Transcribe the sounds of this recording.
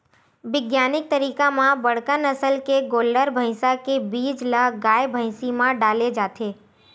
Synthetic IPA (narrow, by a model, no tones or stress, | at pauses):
ʋɪɡjaːnɪk̚t̪əɾiːkãmãbɐɽ̤kənəsəlkeɡoːlɖəɾbʱə̃ɪsakebiːd͡ʒləɦɡaːjbʱə̃ɪsimãɖaːled͡ʒaːt̪ʰeː